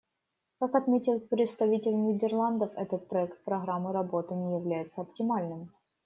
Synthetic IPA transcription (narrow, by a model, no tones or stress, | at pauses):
kakɐt̪mʲetʲɪlˠpɾʲɪt̪st̪ɐvʲitʲɪlʲnʲɪdʲɪrlˠand̪əfɛt̪ət̪̚pɾɐɛkt̪̚pɾɐɣɾamːɨɾɐbo̞t̪ɨnʲɪjɪvlʲæjɪt̪səɐptʲɪmalʲnɨm